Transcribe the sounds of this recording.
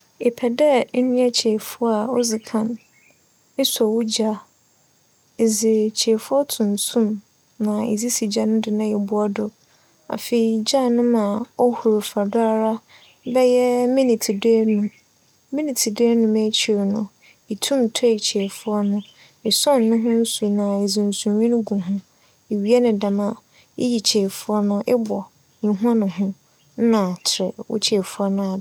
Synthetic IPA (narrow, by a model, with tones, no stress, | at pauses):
ɪ˨pʰɛ˨dɛ˦nɪ̃˦a˦t͡ɕʰɛ˨fʊ˦ɔ˦a˨ɔ˦zɪ˨kʰã˨n | ɪ˦sɔ˨wu˦d͡ʑa˦ | e˨zɪ˨t͡ɕʰɛ˨fʊ˦ɔ˦tʰʊ̃˨n˨sũ˦˨m | nã˨ḛ˨zi˦si˨d͡ʑa˨nʊ̃˦dɪ˨nã˨jɛ˨bʊ˦ɔ˦dʊ˨ | a̰˨fe˨i˨d͡ʑa˦˨nʊ̃˦mã˨ɔ˦hu˨ɾʊ˨fa˨da˦a˦ɾa˦ | bɛ˦jɛ˦mĩ˦nĩ˨tʰi˨de˦nũ˨ | mĩ˦nĩ˨tʰi˨de˦nũ˨me˦t͡ɕʰi˨o˨nʊ̰̃˨ | i˨tʰũ˦m˨tʰɔ˦i˨t͡ɕʰe˨fʊ˦ɔ˦nʊ̃˦ | ɪ˨sɔ̃˦˨nː˨ʊ̃˦ɦʊ̃˦n̩˦su˨nã˨e˨zũ˨n˨sũ˨ɲĩ˦nʊ̃˦ɡũ˨ɦʊ̃˦ | e˨ɥi˦e˦nʊ̃˨dã˨mã˨ | ɪ̰˦ji˨t͡ɕʰe˨fʊ˦ɔ˦nʊ̃˦ʔɪ˦bɔ˨ | ɲĩ˨ɦã˦nʊ̃˨ɦʊ̃˦ | nã˨t͡ɕʰɪ˨ɾɛ˨wʊ̰˦t͡ɕʰe˨fʊ˦ɔ˦nʊ̃˦a˨˦